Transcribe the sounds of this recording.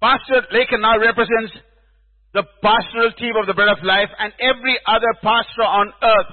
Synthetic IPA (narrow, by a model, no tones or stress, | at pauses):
pastəɾleɪkə̃nːaʊɾɛpɾəzɛ̃nʈs | d̪əpæsʈəɾəltʰĩːmɔʋd̪əbɾɛdɔflaɪfæ̃ɳɖɛʋɾiʔʌd̪əɾpæsʈəɔ̃nəɾt̪̚ʰ